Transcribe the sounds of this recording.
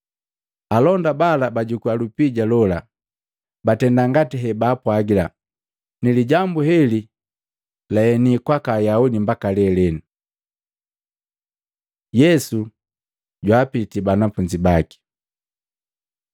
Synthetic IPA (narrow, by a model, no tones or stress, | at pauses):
alɔndabalabaɟukualupiɟalɔla | batɛndaŋɡatiɦɛbaːpwaɡila | niliɟambuhɛli | laɛnikwakajaudimbakalɛlɛnu | jɛsu | ɟwaːpitibanafuɲd͡ʒibaki̥